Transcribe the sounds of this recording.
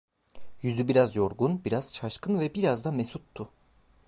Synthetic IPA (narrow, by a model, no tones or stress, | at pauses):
jyzybiɾazjo̞ɾɡunbiɾaz̥t͡ʃʰaʃkɯnvɛbiɾazd̪amesut̪ʰːʊ